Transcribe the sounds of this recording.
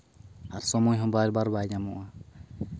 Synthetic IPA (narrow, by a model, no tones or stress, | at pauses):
aɾsɔmɔjɦɔ̃baɾbaɾbajɲamɔʔa